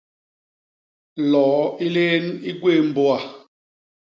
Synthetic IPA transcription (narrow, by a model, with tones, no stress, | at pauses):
lɔː˨˦i˦leː˦ni˦ɡweː˦˨m̩˦bo˦a˨